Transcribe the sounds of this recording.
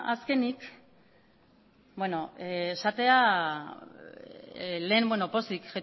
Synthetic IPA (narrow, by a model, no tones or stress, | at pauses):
aske̞nik | bwe̞no̞eːsat̪e̞a | le̞ːmbwe̞nopo̞sikʝe